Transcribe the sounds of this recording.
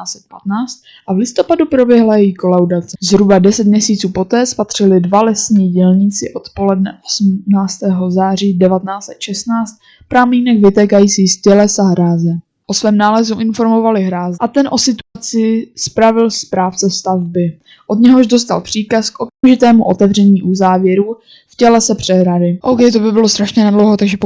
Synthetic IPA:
t͡sɛt̪̚pat̪naːt͡st̪ | ʔavlɪst̪o̞padupɾo̞bjɛɦlajɛjiko̞lawdat͡sɛzɦɾubadɛsɛt̪mɲɛsiːt͡suːpo̞t̪ɛːspat̪r̝̥ɪlɪdvalɛsɲiːɟɛlɲɪt͡sɪʔo̞t̪po̞lɛdnɛʔosmnaːt͡st̪ɛːɦo̞zaːr̝iːdɛvat̪ɛnaːt͡sɛt̪ʃɛsnaːt͡st̪̚ | pɾamiːnɛɡvɪt̪ɛːkajiːt͡siːscɛlɛsaɦɾaːzɛ | ʔo̞svɛːmnaːlɛzuʔɪnfo̞ɾmo̞valɪɦɾaːzʔat̪ɛnʔo̞sɪt̪uat͡sɪspɾavɪlspɾaːft͡sɛst̪avbɪ | ʔo̞d̪ɲɛɦo̞ʒdo̞s̬t̪a̰lpr̝̥iːkaskʔo̞kamʒɪt̪ɛːmuʔo̞t̪ɛvr̝ɛɲiːʔuzaːvjɛɾuː | fcɛlɛsɛpr̝̥ɛɦɾadɪʔowkɛjt̪̬obɪbɪlost̪ɾaʃɲɛnadlowɦot̪aɡʒɛ

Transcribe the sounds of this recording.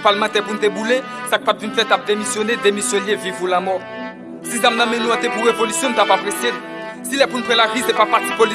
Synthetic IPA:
palmãt̪ɛpunt̪ebule | sak̚pat̪ynfɛt̪ap̚d̪emisjɔned̪emisjɔljevivulamɔʁ | sizãmnãmenyãt̪ɛpuʁevɔlysjɔ̃nt̪apapχesje | silɛpunpχelavisɛpapaʁt̪ipoli

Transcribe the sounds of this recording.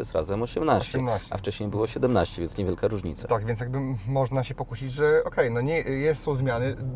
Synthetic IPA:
ɛst̪ɾa̰zɛmɔɕɛmnaɕt͡ɕɛmnaɕt͡ɕa̰ft͡ʂɛɕɲejbɘwɔɕɛd̪ɛmnaɕt͡ɕɛvʲjɛnsɲevjɛlkaɾuʐɲḭt̪sat̪aɡvʲjɛnjaɡbɘmɔʐnaɕɛpɔkuɕid͡ʑʐɛɔkɛjnɔɲɛjɛt̪sɔ̃w̃zmʲjanɘ

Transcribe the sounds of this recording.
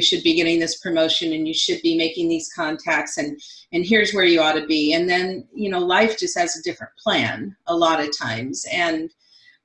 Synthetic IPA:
ɨʃɨd̚biɡɛɾɪ̃ŋðɪspʰɹ̥ɨmoʊʃɨ̃nɨ̃njɨʃɨd̚bimeɪkɪ̃ŋðiz̥kʰɑ̃ntʰæk̚tsɨ̃nɨ̃nɦiɹzwə˞jɨɔɾɨbiɨ̃nðɨ̃njɨnoʊlaɪfd̥ʒ̥ʌst̚hɨzɨdɪfɹɨ̰̃npʰl̥æ̃nəlɔɾʌv̥tʰã̰ɪ̃mz̥ɨ̃n

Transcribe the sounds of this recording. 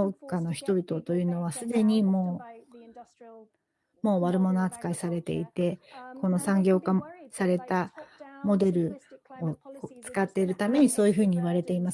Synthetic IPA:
okːano̞çi̥t̪o̞bʲit̪o̞t̪o̞jɯ̟ːno̞β̞asɨd̪e̞ɲ̟imo̞ː | mo̞ːβaɾɯ̟mo̞no̞at͡sɨ̥kaisaɾe̞t̪e̞̰it̪e̞ko̞no̞sãŋɡʲo̞ːkasaɾe̞t̪amo̞d̪e̞ɾɯ̟ot͡sɨ̥kat̪ːe̞iɾɯ̟t̪ame̞ɲ̟iso̞ːjɯ̟ɸɯ̟ːɲ̟iiβaɾe̞t̪e̞imas

